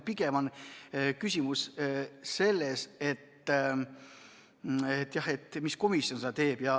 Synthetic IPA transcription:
piɡemɑnkysʲimusse̞lːese̞t̪ː | et̪ːjɑhe̞t̪ːmisko̞misːio̞nsɑɑt̪e̞ːb̥jɑ

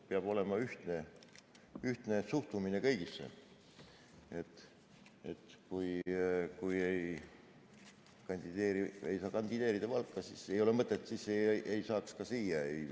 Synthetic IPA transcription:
peɑb̥o̞le̞mɑyht̪ne̞ | yht̪ne̞suht̪umine̞kɤjɡ̥isːḛ | e̞t̪ːˑ | e̞t̪ːˑkujkuje̞j | kɑnʲd̪̥id̪̥eːɾiḛjsɑːkɑnd̪̥id̪e̞ːɾid̪ɑvɑlkːɑsisejo̞le̞mɤt̪ːˑet̪ːsiseʔejsɑːkskɑsiːjɑe̞j

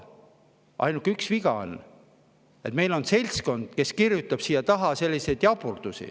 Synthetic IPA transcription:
ʔɑ̰jnukːˑyksviɡɑo̰n | e̞t̪me̞jlo̞nse̞lʲsko̞nd̪̥ke̞skirjut̪ːˑɑb̥siːjːɑt̪ɑɦɑse̞lʲːise̞jd̪̥jɑpurd̪̥usḭ

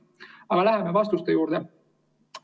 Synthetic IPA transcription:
ɑɡ̥ɑlæɦemevɑst̪ust̪ejuːɾd̪̥e

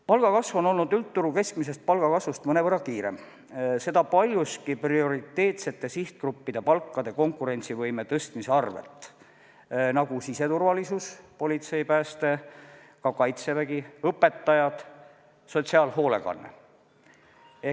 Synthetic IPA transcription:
pɑlɡ̥ɑkɑsvo̞no̞lnud̪ylt̪ːuɾuke̞skmis̬e̞st̪̚pɑlɡ̥ɑkɑsvust̪mɤne̞vɤrːɑkiːɾe̞̰m | se̞d̪ɑpɑlʲjuskiprio̞ɾit̪ːe̞ːt̪se̞t̪ːe̞siht̪̚krupːid̪̥e̞pɑlkːɑd̪̥e̞ko̞ŋkːˑuɾe̞nʲt̪sivɤjmet̪ɤst̪miseɑrvḛlt̪ˑ | nɑɡ̥usise̞t̪urvɑlisuspo̞lʲit̪se̞jpæːst̪e̞ | kɑkɑjt̪se̞væɡiɤpːe̞t̪ːɑjɑd̪̥ | so̞t̪siɑːlɦo̞ːle̞̰kɑ̰nːḛ | e

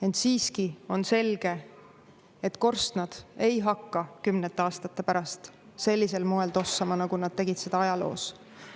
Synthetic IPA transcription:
e̞nt̪siːskio̞nse̞lɡ̥e̞ | et̪ko̞rst̪nɑd̪̥e̞jɦɑkːɑkymnet̪ːˑeɑːst̪ɑt̪ːˑepæɾɑst̪se̞lʲːiselmoe̞ld̪o̞sːɑmɑnɑɡ̥unɑd̪̚t̪e̞ɡit̪se̞d̪ɑɑjɑlo̞̰ːs

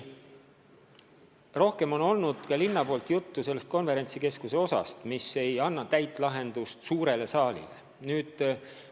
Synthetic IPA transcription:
ro̞hke̞mo̞no̞lnud̪̥kɑlinːɑpo̞ːlt̪ˑjut̪ːuse̞lːest̪ko̞nve̞ɾe̞nʲt̪sike̞skuse̞o̞sɑ̰st̪mise̞jɑnːɑt̪æjt̪ˑlɑɦe̞nd̪̥ust̪suːɾe̞le̞sɑːlḭlḛ | nyːd̪̥

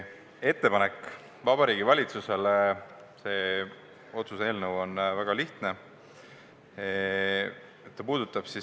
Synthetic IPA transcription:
e̞t̪ːe̞pɑne̞kːˑ | vɑbɑɾiːɡ̥ivɑlʲit̪suse̞l | se̞ː | o̞t̪suse̞ːlnəwo̞nvæɡ̥ɑliht̪ne̞ | et̪ːɑpuːd̪̥ut̪ːˑɑb̥si

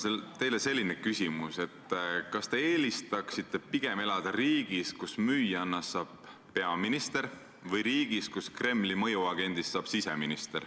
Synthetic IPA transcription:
set̪e̞jlese̞lʲːinekysʲimuse̞t̪ːˑkɑst̪e̞eːlist̪ɑksit̪ːˑe̞piɡ̥e̞me̞lɑd̪̥ɑɾiːɡ̥iskusmyːjɑnːɑsːɑːb̥ː | e̞ɑminist̪e̞ɾ | vɤjɾiːɡ̥iskuskre̞mːlimɤ̞juɑɡ̥e̞nd̪̥isːɑːb̥siseminist̪e̞r

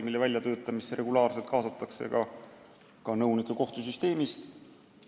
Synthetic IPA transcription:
milːevælʲjɑt̪ø̞ːt̪ːˑɑmiseɾe̞ɡulɑːrse̞lt̪̚kɑːsɑt̪ːˑɑkse̞̰kɑ | kɑnɤwnikːˑeko̞ht̪usyst̪e̞ːmist̪

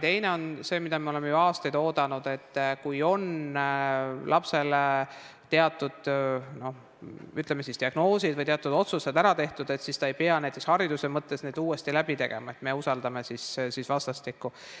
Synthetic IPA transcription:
t̪e̞jne̞o̞nse̞ːmid̪̥ɑmeo̞lemːejuɑːst̪ejd̪o̞ːd̪ɑnud̪̥e̞t̪ːkujo̞n | lʔɑpse̞let̪e̞ɑt̪ːˑud̪̥no̞h | yt̪ˑlemːe̞sisd̪iɑɡ̥no̞ːsid̪vɤjt̪e̞ɑt̪ːˑud̪o̞t̪suse̞d̪æɾɑt̪e̞ht̪ud̪̥e̞t̪sist̪ɑe̞jpeɑnæjt̪ːˑekshɑɾid̪usemɤt̪ˑːe̞sne̞d̪uːe̞st̪ilæb̥it̪e̞ɡ̥e̞̰mɑe̞t̪me̞usɑld̪ɑme̞sissisvɑst̪ɑst̪ikːu

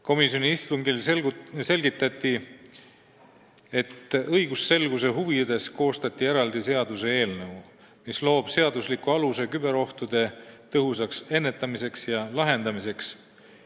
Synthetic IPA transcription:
ko̞misjo̞niist̪uŋɡilse̞lɡit̪ːˑɑt̪ːi | e̞t̪ːɤjɡ̥usːe̞lɡ̥use̞ɦuvid̪e̞sko̞ːst̪ɑt̪ʲːˑieɾɑld̪̥ise̞ɑd̪̥use̞e̞ːlnɤu | mislo̞ːb̥se̞ɑd̪uslikuɑluse̞kybe̞ɾo̞ht̪ud̪̥e̞t̪ɤɦusɑkse̞nːe̞t̪ːˑɑmise̞ksjɑlɑɦe̞nd̪̥ɑmise̞ks

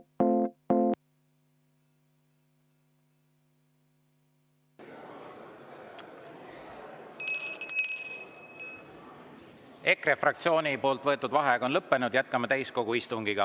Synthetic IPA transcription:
e̞krefrɑk̚t̪sio̞ːnipo̞ːlt̪vɤ̞e̞t̪ːˑud̪vɑɦeɡo̞nlɤpːe̞nud̪̥jæt̪̚kɑmɑt̪æjsko̞ɡ̥uist̪uŋɡ̥iɡ̥ɑ

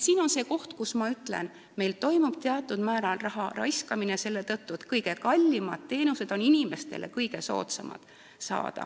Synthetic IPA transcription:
siːno̞nse̞ːko̞ht̪kusmɑyt̪ːˑle̞̰n | me̞jlt̪o̞jmub̥̚t̪eɑt̪ːˑud̪̥mæːɾɑlrɑɦɑrɑ̰jskɑminese̞lːe̞t̪ɤt̪ːuet̪kɤjɡ̥e̞kɑlʲːimɑd̪̥̚t̪e̞ːnuse̞d̪̥o̞ninime̞st̪e̞̰le̞̰kɤjɡe̞so̞̰ːt̪sɑmɑ̰d̪̥ | sɑ̰ːd̪̥ɑ̰

